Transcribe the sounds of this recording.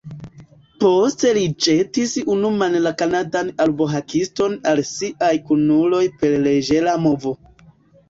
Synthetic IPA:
po̞ste̞lid͡ʒetisunumanlakanadanalboɦakisto̞nalsiʔajkunulo̞jpe̞ɾled͡ʒe̞lamo̞vo̞

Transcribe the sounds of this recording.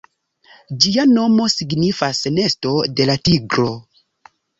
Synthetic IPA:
d͡ʒiano̞mo̞siɡnifasne̞sto̞de̞latiɡɾo̞

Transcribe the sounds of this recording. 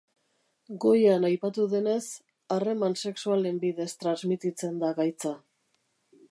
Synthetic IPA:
ɡo̞janajpat̪uðe̞ne̞s | are̞manse̞ksuale̞mbiðe̞st̪ɾanzmit̪it͡se̞nd̪aɣajt͡sa

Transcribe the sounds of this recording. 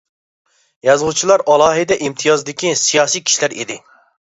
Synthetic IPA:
jɑzʁut͡ʃʰilˠɑɾɑlˠɑːɦɪd̪ɛʔimt̪ʰijɑzd̪ɪkʲisijɑːsijkʲʰi̥ʃlæɾid̪ɪ

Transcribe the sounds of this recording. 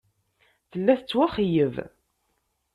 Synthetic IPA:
θəlːæθət͡sːwæχijəv

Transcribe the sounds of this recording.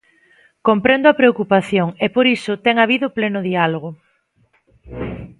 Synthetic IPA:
kompɾend̪ʊapɾeokupaθjoŋepoɾisʊt̪ɛŋaβ̞iðʊplenʊðialoɣ̞ʊ

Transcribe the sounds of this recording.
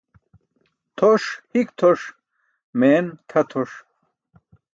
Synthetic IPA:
t̪ʰoʂhikt̪ʰoʂ | meːnt̪ʰɐt̪ʰoʂ

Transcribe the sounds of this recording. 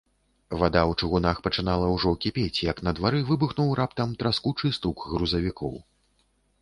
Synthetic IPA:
vad̪awt͡ʂɨɣunaxpɐt͡ʂɨnalˠɐwʐɔkʲipʲet͡sʲjɐknɐd̪vaɾɨvɨbɨxnuwrap̚t̪ɐmt̪ɾaskut͡ʂɨst̪ukɣɾuzɐvʲikʰɔw

